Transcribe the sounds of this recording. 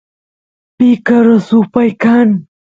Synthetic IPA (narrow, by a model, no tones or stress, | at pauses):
pikaɾəsupajkan